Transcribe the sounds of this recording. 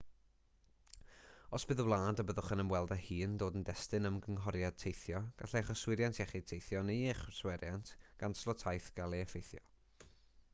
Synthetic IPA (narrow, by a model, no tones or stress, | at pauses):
ɔsb̥ɨðəwlˠaːndəbəðʊχənəmwɛlˠdahiːndoːdəndɛstɨnəmɡəŋɦɔɾjad̚tʰejθjɔɡ̥a̰ɬeχɔswɪɾjantʰjɛχitʰejθjɔnejɛχswɛɾjantʰɡ̥anslˠɔtʰajθɡ̥alˠeɛfejθjɔ